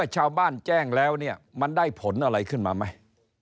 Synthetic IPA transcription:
ət͡ɕʰaː˧wbaː˥˩nt͡ɕɛː˥˩ŋlɛː˦˥wni˥˩ɐma˧ndaː˥˩jpʰo˩˦nʔa˧ɾa˧jkʰɯ˥˩nma̰ː˧ma˦˥j

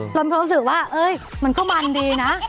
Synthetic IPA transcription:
lo˧nmpʰːsɯː˨˩k̚waː˥˩ʔɤː˧˥˩jma˧nkɔ˥˩ma˧ndiː˧na˦˥

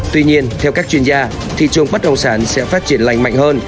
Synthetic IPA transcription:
t̪wi˧ɲi˧ənt̪ʰɛ˧wkaː˦˥k̚t͡ɕwi˧ənzaː˧ | t̪ʰḭ˧˨t͡ɕɨ˨˩əŋɓə˦˥t̚ɗə˧wŋ͡msaː˨˩˦nsɛ̰˧˥faː˦˥t̚t͡ɕi˧˩ənla̰˧jŋma̰˧˨jŋhəː˧n

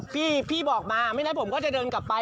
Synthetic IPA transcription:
pʰiː˥˩pʰiː˥˩bɔː˨˩k̚maː˧ma˥˩jna˦˥pʰo˩˦mkɔː˥˩t͡ɕa˨˩dɤː˧nka˨˩pːa˧

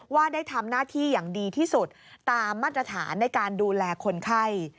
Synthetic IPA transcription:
waː˥˩daː˥˩jt̪ʰa˧mnaː˥˩t̪ʰiː˥˩jaː˨˩ŋdiː˧t̪ʰiː˥˩su˨˩t̪̚ːaː˧mːaː˥˩t̪̚ːɾa˧t̪ʰa̰ː˩˦nːa˧jkaː˧nduː˧lɛː˧kʰo˧nkʰa˥˩j

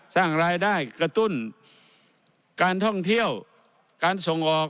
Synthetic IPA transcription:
saː˥˩ŋɾaː˧jdaː˥˩jka˧t̪u˥˩˨n | kaː˨˧nt̪ʰɔ˥˩ŋt̪ʰi˥˩əw | kaː˧˦nso˧˦ŋʔɔː˨˩k̚

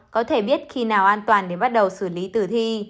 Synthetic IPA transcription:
kɔ˨˦t̪ʰe˧˩ɓi˦˥ət̚xi˧naː˨˩wʔaː˧nt̪waː˨˩nɗe˧˩ɓa˦˥t̚ɗə˨˩wsɨ˧˩li˨˦t̪ɨ˨˩t̪ʰi˧

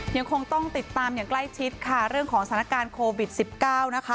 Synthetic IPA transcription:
ja˧ŋkʰo˧ŋt̪ɔ˥˩ŋt̪i˨˩t̪ːaː˧mjaː˨˩ŋkla˥˩jt͡ɕʰi˦˥t̪̚kʰa˥˩ɾɯ˥˩əŋkʰɔː˩˦ŋsa˩˦˥kaː˧nkʰoː˧wi˨˩t̪̚si˨˩p̚kaː˥˩wna˦˥kʰa˦˥

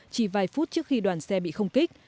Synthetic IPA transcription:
t͡ɕi˧˩vaː˨˧˩jfu˦˥t̚t͡ɕɨ˦˥ək̚xi˧ɗwaː˧˩nsɛ˧ɓḭ˧˨xə˧wŋ͡mki˦˥k̚

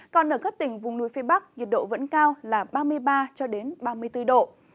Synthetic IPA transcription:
kɔ˨˩nʔəː˧˩kaː˦˥k̚t̪ï˧˩ŋ̟vʊ˨˩ŋ͡mnṵ˧˥jfe˧ɓa˦˥k̚ŋi˨˩t̚ɗo̰˧˨və̰˧˥nkaː˧wlaː˨˩ɓaː˧mɨ˧əjɓaː˧t͡ɕɔ˧ɗe˨˦nɓaː˧mɨ˧əjt̪ɨ˧ɗo̰˧˨

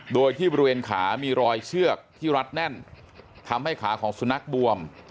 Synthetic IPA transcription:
doː˧jt̪ʰiː˥˩bɔː˧i˧weː˧nkʰaː˩˦miː˧ɾɔː˧jt͡ɕʰɯ˥˩ək̚t̪ʰiː˥˩ɾa˦˥t̪̚nɛ˥˩n | t̪ʰa˧mha˥˩jkʰaː˩˦kʰɔː˩˦ŋsu˨˧˦na˦˥k̚bu˧əm

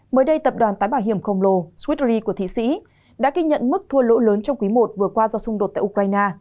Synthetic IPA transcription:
məː˨˦jɗə˧jt̪ə˨˩p̚ɗwaː˨˩nt̪aː˨˦jɓaː˧˩wɦi˧˩əmxə˧wŋ͡mlo˧˩swi˦˥t̚zi˧ku˧˩ət̪ʰḭ˧˨sḭ˧˥ | ɗa̰ː˧˥ɣi˧ɲə̰˧˨nmɨ˦˥k̚t̪ʰu˧əlo̰˧˥ləː˨˦nt͡ɕɔ˧wŋ͡mkwi˨˦mo˨˩t̚vɨ˨˩əkwaː˧zɔ˧sʊ˧ŋ͡mɗo˨˩t̪̚a̰ː˧˨ʔu˧kɹaː˧jnaː˧

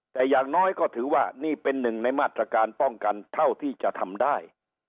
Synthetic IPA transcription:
t̪ɛː˨˩jaː˨˩ŋnɔː˦˥jkɔː˥˩t̪ʰɯː˩˦waː˥˩niː˥˩pe˧nːɯ˨˩ŋna˧jmaː˥˩t̪ɾa˧kaː˧npɔ˥˩ŋka˧nt̪ʰa˥˩wt̪ʰiː˥˩t͡ɕa˨˩ʔt̪ʰa˧mdaː˥˩j

